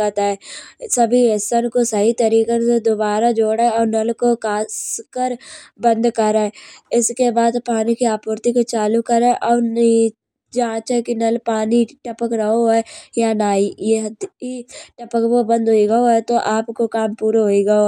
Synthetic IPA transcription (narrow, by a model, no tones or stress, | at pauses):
ət̪aɦɛːsɐbʱiesənkosɐɦit̪ɐɾiːkesed̪obaːɾad͡ʒoːɽɛɔːɾnɐlkokaːskəɾbə̃nd̪kɐɾɛːɪskebaːd̪paːnikiaːpʊːɾt̪ikot͡ʃaːlukəɾẽʔɔːɾn | d͡ʒãːt͡ʃɦɛkinɐlpaːniʈɐpəkɾɐɦoɦɛjanaːid̪iʈɐpəkbobə̃nd̪ɦoiɡɐoɦɛt̪oʔaːpkokaːmpuːɾoɦoiɡɐo